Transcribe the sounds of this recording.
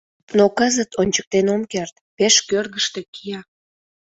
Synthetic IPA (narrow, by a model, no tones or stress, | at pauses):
nokəzət̪onʲt͡ɕə̥k̚t̪enomkert̪peʃkørɣəʃt̪e̽kʰijɑ